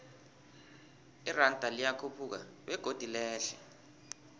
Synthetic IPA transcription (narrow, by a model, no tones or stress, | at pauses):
irantʼalijakʰupʰuk̬a̰ɓɛɡ̥ʱod̥ʱilɛːɬɛ